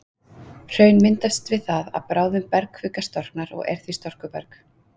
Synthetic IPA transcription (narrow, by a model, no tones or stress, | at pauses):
r̥œːɥnmɪnt̪ast̪vɪðθaða̰ðpɾaːwðɪmpɛɾkʰfʏkast̪ɔr̥knaɾɔ̰ɣɛ̰ɾ̥θist̪ɔr̥kʏpɛɾk